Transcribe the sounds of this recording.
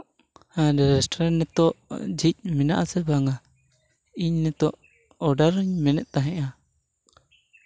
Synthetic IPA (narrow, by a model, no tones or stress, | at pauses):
aɾɛɾɛsʈɾɛnnɛt̪ɔʔd͡ʒic̚ˀmɛna̰ʔasɛbaŋa | iɲnɛt̪ɔʔ | ɔɖaɾɲmɛnɛʔt̪aɦɛ̃ʔa